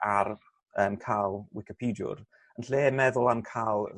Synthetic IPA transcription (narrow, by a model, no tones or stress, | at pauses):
ar | əːmkʰaːlˠwɪkɪpʰiːdjʊ̰r | ənɬeːmɛðʊlˠamkʰaːlˠ